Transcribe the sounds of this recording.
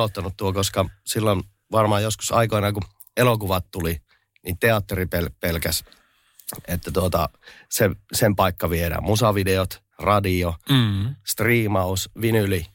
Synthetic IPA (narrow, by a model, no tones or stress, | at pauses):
ot̪ːɑnut̪t̪uokoskɑsilːon | ʋɑrmɑːjosku̥sɑ̰ikoinɑku | elokuʋɑt̪t̪uli | nit̪eɑt̪ːeripelpelkæs | et̪ːæt̪uot̪ɑ̰sesempɑikːɑʋiedæ̰musɑʋideot̪ | rɑdio | st̪riːmɑusʋinyli